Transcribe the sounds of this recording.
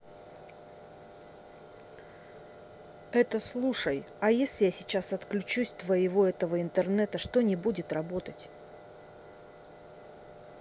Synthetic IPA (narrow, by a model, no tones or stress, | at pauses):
ɛt̪əslˠuʂəj | ɐjesʲlʲɪjasʲɪt͡ɕasɐt̪klʲʉt͡ɕusʲt̪vəɪvo̞ɛt̪əvəɪnt̪ərnɛt̪əʂt̪o̞nʲɪbudʲɪt̪rɐbo̞t̪ətʲ